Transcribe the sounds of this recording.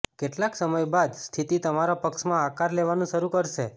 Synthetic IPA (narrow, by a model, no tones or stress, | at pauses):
keʈlaksəməjbad̪st̪ʰit̪it̪əmaɾapəkʃmãakaɾleʋanũʃəɾũkəɾʃe